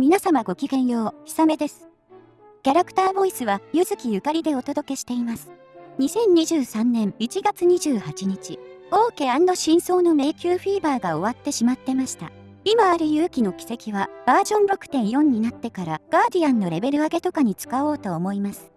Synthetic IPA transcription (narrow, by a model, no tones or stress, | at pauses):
mʲinasamaɡo̞kʲiɡẽ̞ɰ̃jo̞ːçi̥same̞d̪e̞sɨ̥ | kʲaɾakɯ̥t̪aːbo̞isɨβajɯzɨkʲijɯ̟kaɾʲid̪e̞o̞t̪o̞d̪o̞ke̞ɕi̥t̪e̞imasɨ̥ | ɲ̟isẽ̞ɲ̟ːiʑɨːsãnːẽ̞ɴit͡ɕiɡat͡sɨɲ̟iʑɨːhat͡ɕiɲ̟it͡ɕio̞ːke̞ãnd̪o̞ɕĩɰ̃so̞ːno̞me̞ːkʲɨːɸiːbaːɡao̞β̞at̪ːe̞ɕimat̪ːe̞maɕi̥t̪a̰ | imaːɾɯ̟jɯːkʲino̞kʲi̥se̞kʲiβab̥aːd͡ʑõ̞nɾo̞kɯ̟̥t̪ẽ̞ɰ̃jõ̞ɲ̟ːinat̪ːe̞kaɾaɡ̥aːd̪ʲiãnːo̞ɾe̞be̞ɾɯ̟aɡe̞t̪o̞kaɲ̟it͡sɨ̥kao̞ːt̪o̞ːmo̞imasɨ̥